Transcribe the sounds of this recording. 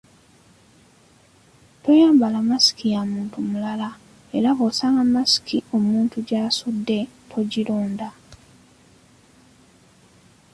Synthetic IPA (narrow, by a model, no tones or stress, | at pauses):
to̞jaːmbalamasi̥kijamuːntumulala | e̞ɾavosaːŋɡamasi̥kʰio̞muːntuɟaːsudːe̞tʰo̞ɟiloːnda